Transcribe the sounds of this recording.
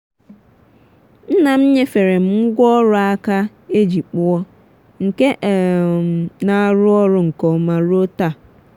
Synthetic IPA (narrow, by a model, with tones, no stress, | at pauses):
n̩˦nã˨m̩˦ɲɛ̃˦fɛ˨ɾɛ̃˨m˦ŋ̩˦ɡɔ˦ɾʊ˦a˦kʰa˦ | e˦d͡ʑi˨k͡pʊ˦ɔ˦ | ŋ̩˨kɛ˦ʔ | nã˨˦˨ɾʊ˦ɔ˦ɾʊ˨ŋ̩˨kʰɔ˨mã˨ɾo˦ta˨